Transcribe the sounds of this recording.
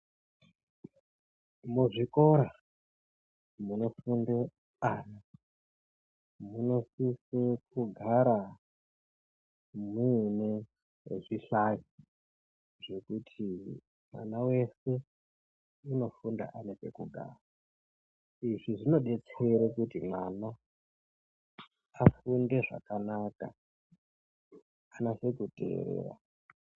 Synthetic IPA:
muʐiko̞ɾa | muno̞funde | ana | muno̞sisekuɡʱaɾa | munḛ | ʐiɬaji | ʐe̞kutʰi | mwa̰nawe̞se̞ | uno̞funda̰ʔaneke̞̰kuɡʱa̰ːra | iʐiʐino̞ɗe̞t͡seɾekutimwana | funde̞ʐa̰kanaka̰ | anase̞kutḛḛɾḛːɾa̰

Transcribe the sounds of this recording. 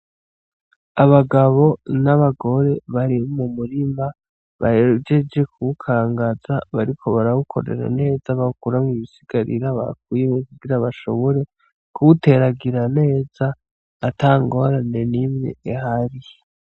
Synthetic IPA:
aβaɡaβo̞naβaɡo̞ɾe̞βaɾimumuɾima | βa̰eɾud͡ʒe̞d͡ʒe̞kʰuukʰaːŋɡaz̥aβaɾikʰo̞βaɾaβukʰo̞̰ɾḛɾa̰ne̞ːzaβaukuɾamŋiβisiɡ̥aɾḭɾaβa̰kwijemekuɡiɾaβaʃo̞̰βo̞ɾe̞ | kuute̞ɾaɡiɾane̞ːzaː | taːŋɡo̞ɾane̞nimɲḛehaɾi

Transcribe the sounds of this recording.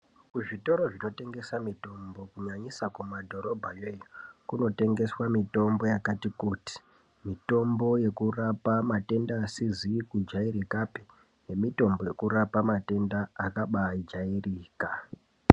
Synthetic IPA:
kuʐito̞ɾo̞ʐino̞te̞ŋɡe̞samito̞mbo̞kuɲaɲisakumadʱo̞ɾo̞bʱajejokuno̞te̞ŋɡe̞swamito̞mbo̞jakatikuti̥ | mito̞mbo̞je̞kurapamate̞ndaːsizikud͡ʒaiɾikapi̥ | ne̞mito̞mbo̞je̞kuɾapamate̞ndaːkaɓaid͡ʒairiːka

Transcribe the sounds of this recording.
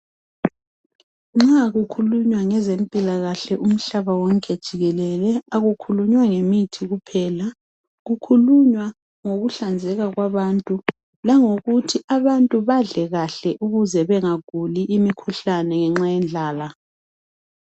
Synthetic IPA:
ŋ͡ǁaɣukʰuluɲwaŋɛzempʼilaɣaɬɛʔum̩ɬaβawɔŋkʼɛd̥ʒ̥ʱiɣɛlɛlɛaɣukʰuluɲwaŋemitʰiɣupʰɛːla | ɣukʰuluɲwa | ŋoɣuɬand͡zʱɛɣaɣwaβantʼu | laŋoɣutʰiʔaβantʼuβaɮɛɣaɬɛʔuɣuzɛβɛŋaɡ̥ʱuliʔːmikʰuɬanɛŋɛŋ͡ǁajɛnd͡ɮʱaːla

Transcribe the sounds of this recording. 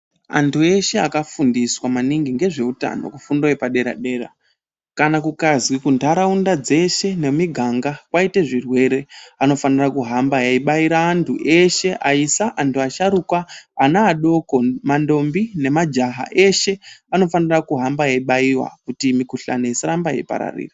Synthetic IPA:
a̰ntʰue̞ʃe̞akafundiswamaniŋɡiŋɡe̞ʐe̞uta̰no̞̰kufundoepaɗe̞ɾa̰ɗe̞ːra̰ | kanakukazwikundʱaɾaundad͡ze̞ʃe̞ne̞miɡʱaŋɡakwaiteʐirwe̞ɾe̞ano̞fanirakuɦambajaiɓaiɾaːntʰuʔe̞ʃe̞ʔaisaʔantʰuaʃaɾukwaːnaːɗo̞ko̞mando̞mbine̞mad͡ʒaɦa̰ʔe̞ʃe̞ano̞fanirakuɦambajaiɓaiwa̰kutimikuɬa̰nejesaɾambaja̰ipa̰ɾa̰rḭːra

